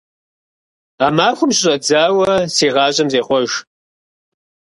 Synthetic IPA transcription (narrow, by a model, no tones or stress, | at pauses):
aːmaːxʷʊmɕɕʼɐd͡zaːwɐsiːʁɑːɕʼɐmzeːχʷɔʒ